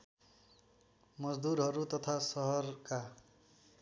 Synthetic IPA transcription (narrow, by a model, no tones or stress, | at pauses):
mʌd͡zd̪uɾɦʌɾut̪ʌt̪ʰasʌɦʌrka